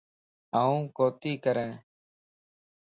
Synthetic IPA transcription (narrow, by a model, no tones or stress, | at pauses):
aːũːkoːt̪iːkəɾẽː